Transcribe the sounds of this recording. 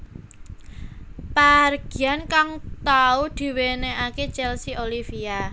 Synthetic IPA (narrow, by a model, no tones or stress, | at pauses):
parɡ̥i̤ankaŋt̪aud̪̥i̤weneʔaket͡ʃɛlsiʔolifia